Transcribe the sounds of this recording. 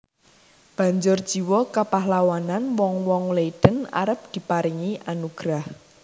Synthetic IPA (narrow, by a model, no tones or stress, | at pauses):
b̥a̤ɲd͡ʒʊrd̥ʒ̥i̤wɔkapaɦlawananwɔŋwɔŋleid̪̥əna̰ɾəp̚d̪̥i̤paɾiŋiʔanuɡ̥ɾah